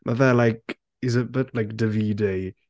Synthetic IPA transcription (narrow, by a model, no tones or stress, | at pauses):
mʔavɛlajk | izəbɛtlajkd̥əviːdej